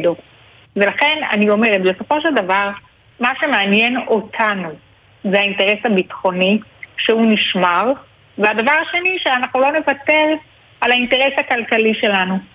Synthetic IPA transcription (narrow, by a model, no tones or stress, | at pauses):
do | ve̞laχe̞na̰nio̞me̞ʁetbeso̞fo̞ʃeldavaʁ | maʃe̞meanjeno̞tʰanu | zehainteʁe̞sabitχo̞niʃeuniʃmaʁ | veadavaʁaʃe̞niʃeanaχnulo̞ne̞vate̞ʁ | alainte̞ʁe̞shakalkaliʃe̞lanu